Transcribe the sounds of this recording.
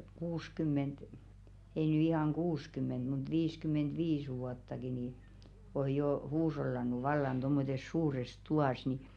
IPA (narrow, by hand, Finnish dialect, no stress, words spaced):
kuːskymːent ei ny ihɑˑŋ kuːskymːent mut ʋiːskymːentʋiːs ʋuɑtːɑki niː oj̆ joː huːsh̞olːɑnˑu ʋɑlːɑn tomːotes suːres tuɑˑs ni